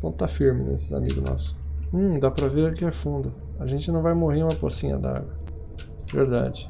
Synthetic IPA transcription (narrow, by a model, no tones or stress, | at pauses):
põt̪afiɾmɪnɛ̰esɪza̰mḭɡʊnɔ̰sʊ̥ũd̪apɾɐveɾʊkɪɛfũnd̪ʊ | aʒẽnt͡ʃɪnɐ̃w̃vajmoɦeɾũmɐposĩɲɐ̰d̪a̰ɡɐ | vḛɾd̪a̰d͡ʒɪ